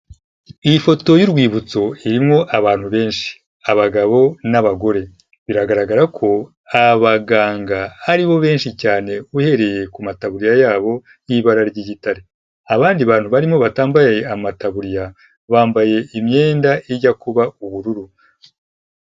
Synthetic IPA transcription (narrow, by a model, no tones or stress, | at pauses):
ifo̞to̞juɾɡwiːβut͡so̞iɾimŋo̞ʔaβaːn̥huβe̞ːnʃi̥ | aβaɡaβo̞naβaɡo̞ɾe̞ | βiɾaɡaɾaɡaɾakʰo̞ | aβaɡaːŋɡahaɾiβo̞βe̞ːnʃicaːne̞uhe̞ɾe̞je̞kumataβuɾijajaːβo̞ | jiβaɾaɾɟiɟitaɾe | aβaːndiβaːn̥huβaɾimŋo̞βataːmbajajeamataβuɾija | βaːmbaje̞imɲe̞ːndaʔiɟakuβauβuɾuɾu